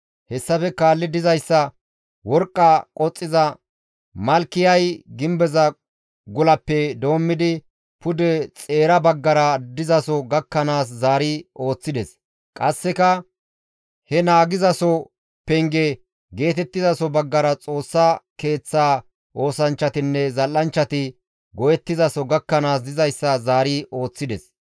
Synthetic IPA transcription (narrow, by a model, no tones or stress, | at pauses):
hɛsːɐfɛkaːlːɪd̪ɪzɐjsːɐ | wɔɾkʼːakʼɔt͡sʼːɪzɐ | mɐlkːɪjɐjɡɪmbɛzɐ | ɡʊlɐpːɛd̪o̞ːmːɪd̪ɪ | pʊd̪ɛt͡sʼe̞ːɾɐbɐɡːɐɾɐd̪ɪzɐsɔɡɐkːɐnaːs̬zaːɾɪo̞ːt͡sːɪd̪ɛs | kʼɐsːɛkɐ | hɛnaːɡɪzɐsɔ | pɛŋɡɛ | ɡe̞ːt̪ɛt̪ːɪzɐsɔbɐɡːɐɾɐt͡sʼo̞ːsːɐke̞ːt͡sːaː | ʔo̞ːsɐnt͡ʃːɐt̪ɪnːɛzɐlːɐnt͡ʃːɐt̪ɪ | ɡɔjɛt̪ːɪzɐsɔɡɐkːɐnaːsd̪ɪzɐjsːɐzaːɾiʔo̞ːt͡sːɪd̪ɛs